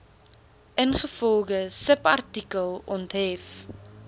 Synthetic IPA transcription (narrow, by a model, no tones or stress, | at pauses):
ʔənχəfɔlˠχəsəpɐrtikəlˠɔntɦɛf